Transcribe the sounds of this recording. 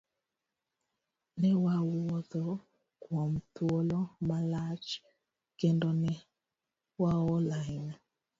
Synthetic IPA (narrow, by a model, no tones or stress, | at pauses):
nɛwawɔðɔ | kwɔmt̪wolɔmalat͡ʃ | kendɔnɛ | waɔlajn